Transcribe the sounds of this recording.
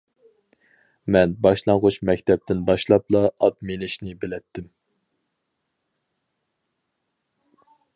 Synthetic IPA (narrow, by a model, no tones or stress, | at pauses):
mɛnbɑʃlˠɑŋʁʊt͡ʃmɛkʲt̪ʰɛp̚t̪ʰɪnbɑʃlˠɑplˠɑɑt̪̚menɪʃnɪbɪlɛt̪ʰːɪm